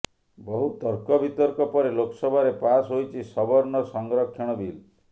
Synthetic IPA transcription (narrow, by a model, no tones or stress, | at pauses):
bɔɦut̪ɔɾkɔbit̪ɔɾkɔpɔɾelokɔsɔbʱaɾepasɦojt͡ʃʰisɔbɔɾnɔsɔŋɡɾɔkʰːjɔɽ̃ɔbil